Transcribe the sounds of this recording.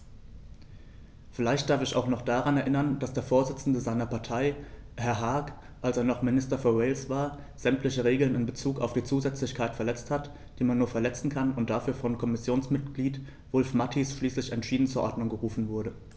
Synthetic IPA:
fɪlaɪçtd̥aɐfɪça̰ʊxnɔχd̥aʁanɛɐʔɪnɐnd̥asd̥eːɐfoːɐzɪt͡sn̩dəzaɪnɐpaɐtʰaɪ | hɛɐɦaɐk | ʔalseːɐnɔχmɪnɪstɐfɔɐwɛɪlsv̥aːɐ | z̥ɛmtlɪçəʁeːɡl̩nɪnbət͡suːka̰ʊfd̥iːt͡suːzɛt͡slɪçkʰaɪtfɛɐlɛt͡sthat | d̥iːmanːuːɐfɛɐlɛt͡sn̩kʰanʊntd̥afyːɐfɔnkʰɔmɪsjoːnsmɪt̚ɡ̥liːt | vʊlfmatʰisʃliːslɪçɛntʃiːdn̩t͡suːɐʔɔɐdnʊŋɡəʁuːfn̩vʊɐɾə

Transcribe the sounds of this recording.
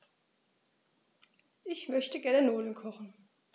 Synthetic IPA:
ʔɪçmœçtəɡɛɐnənoːlən̩kʰɔχn̩

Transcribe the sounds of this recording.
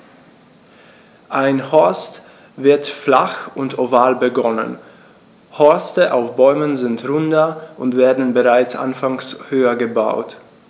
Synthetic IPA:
ʔaɪnhɔɐst | vɪɐtflaχʊntʰovaːlbəɡɔnə̰n | hɔɐstəʔaʊfb̥ɔʏmənzɪntʁʊndɐʔʊntv̥eːɐdn̩bəʁaɪt͡sʔa̰nfaŋshøːɐɡəba̰ʊt

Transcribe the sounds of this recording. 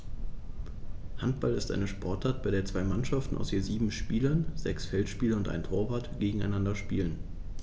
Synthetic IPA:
hantb̥alɪstʔa̰ɪnəʃpʰɔɐtaɐt̚b̥aɪdeːɐt͡sv̥aɪmanʃaftn̩ʔa̰ʊshiːɐziːbm̩ʃpiːlɐnzɛksfɛltʃpiːlɐʊntʔa̰ɪntʰoːɐvaɐtɡ̥eːɡŋ̩a̰ɪnandɐʃpiːlən

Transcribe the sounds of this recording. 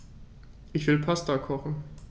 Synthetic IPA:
ʔɪçv̥ɪlpʰastakʰɔχn̩

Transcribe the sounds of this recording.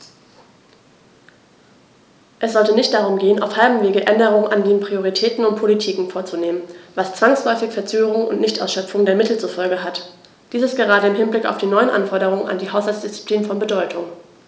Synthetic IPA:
ʔɛsz̥ɔltənɪçt̚d̥aʁ̞ʊmɡeːənʔa̰ʊfhalbm̩veːɡəʔɛndəʁ̞ʊŋənandeːnpʁ̥ioʁ̞itʰɛːtn̩ʊnt̚pʰolitʰiːkŋ̩foːɐt͡suneːmənvast͡sv̥aŋslɔʏfɪçfɛɐt͡søːɡəʁʊŋʔʊ̰ntnɪçtʔa̰ʊsʃœpfʊŋdeːɐmɪtl̩t͡sufɔlɡəɦat | d̥iːsəstɡ̥əʁaːɾəɪmɦɪnblɪkaʊfd̥iːnɔʏənʔa̰nfɔɐɾəʁ̞ʊŋəna̰ndiːɦaʊshalt͡sd̥ɪst͡si̥pliːnfɔnbədɔʏtʰʊŋ

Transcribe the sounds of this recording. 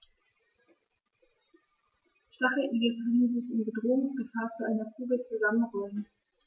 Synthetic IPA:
ʃtaχl̩ʔiːɡəkʰœnəzɪçɪnbədʁoːʊŋsɡ̥əfaːɐt͡suʔaɪnɐkʰuːbət͡suzamənʁɔlən

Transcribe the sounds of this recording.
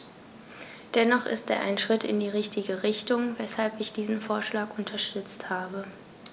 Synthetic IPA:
d̥ɛnɔχɪ̰stḛːɐʔa̰ɪnʃʁ̥ɪtɪ̰ndiːʁ̞ɪçtʰɪɡəʁɪçtʊŋvɛshalpɪçd̥iːzn̩foːɐʃlaːkʔʊntʰɐʃtʏt͡sthaːbə

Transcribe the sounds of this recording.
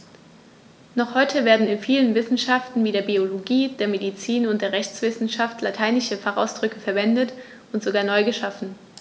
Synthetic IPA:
nɔχhɔʏtʰəveːɐdn̩ɪnfiːlənvɪsn̩ʃaftn̩viːɾeːɐbioloɡiːdeːɐmedit͡siːnʊnt̚d̥eːɐʁɛçt͡sv̥ɪsn̩ʃaftlatʰaɪnɪʃəfaχa̰ʊsd̥ʁʏkəfɛɐvɛndət | ʊntz̥oɡaːɐnɔʏɡəʃafn̩

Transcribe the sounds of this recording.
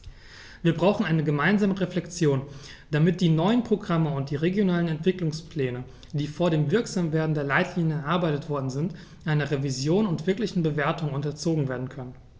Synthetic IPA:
viːɐbʁaʊxn̩ʔaɪnəɡəmaɪnzaːməʁeflɛkt͡sjoːnd̥amɪt̚d̥iːnɔʏənpʁ̥oɡʁaməʊnt̚d̥iːʁeɡjonaːlənɛntv̥ɪklʊŋspl̥ɛːnə | d̥iːfoːɐɾeːmvɪɐkz̥aːmveːɐdn̩deːɐlaɪtʰliːnjəɛɐʔaɐbaɪtətv̥ɔɐdn̩zɪnt | ʔaɪnɐʁevizjoːnʊntv̥ɪɐklɪçn̩bəveːɐtʊŋʊntɐt͡soːɡŋ̩veːɐdn̩kʰœnən

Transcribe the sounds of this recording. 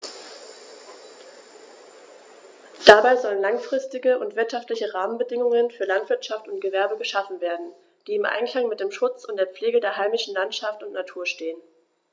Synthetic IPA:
d̥abaɪzɔlənlaŋfʁ̥ɪstɪɡəʊntv̥ɪɐtʃaftlɪçəʁaːmənbədɪŋʊŋənfyːɐlantv̥ɪɐtʃaftʊnt̚ɡ̥əvɛɐbəɡəʃafn̩veːɐdn̩ | d̥iːɪmʔa̰ɪnkl̥aŋmɪt̚d̥eːmʃʊt͡sʊntd̥eːɐp͡fleːɡədeːɐɦaɪmɪʃn̩lantʃaftʊntnatʰuːɐʃteːən

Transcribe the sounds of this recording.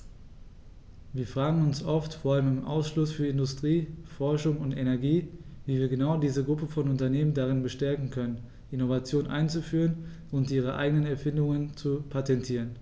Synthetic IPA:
viːɐfʁ̥aːɡŋ̩ʊnsʔɔftfoːɐaləmɪmʔa̰ʊsʃlʊsfyːɐɪndʊstʁ̥iːfɔɐʃʊŋʊntenɛɐɡiːviːviːɐɡənaʊdiːzəɡʁʊpəfɔnʊntɐneːməndaʁ̞ɪnbəʃtɛɐkŋ̩kʰœnən | ʔɪnovat͡sjoːnʔa̰ɪnt͡sufyːʁ̞ən | ʔʊntʔiːʁ̞əʔa̰ɪɡənənɛɐfɪndʊŋənt͡supʰatɛntʰiːʁ̞ən

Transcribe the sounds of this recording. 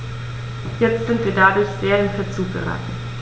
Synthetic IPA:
jɛt͡stz̥ɪntv̥iːɐdadʊɐçz̥eːɐɪnfət͡suːɡə̰ʁa̰ːtn̩

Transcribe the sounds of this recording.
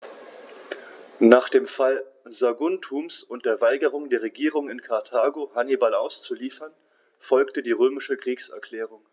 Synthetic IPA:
naːχd̥eːmfalzaɡʊntʰuːmsʊnt̚d̥eːɐvaɪɡəʁ̞ʊŋdeːɐʁ̞eɡiːʁ̞ʊŋɪnkʰaɐtʰaːɡohanibala̰ʊst͡suliːfɐn | fɔlktədiːʁøːmɪʃəkʁ̥iːksɛ̰ɐkl̥ɛːʁ̞ʊŋ

